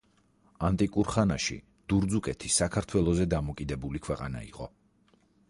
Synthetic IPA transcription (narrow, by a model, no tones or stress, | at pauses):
ant̪ʼikʼuɾχanaʃḭ | d̪̥uɾd̪zukʼɛt̪ʰisakʰaɾt̪ʰwɛlˠɔzɛd̪amɔkʼid̪ɛbulikʰwɛqʼa̰na̰ḭqʼɔ̰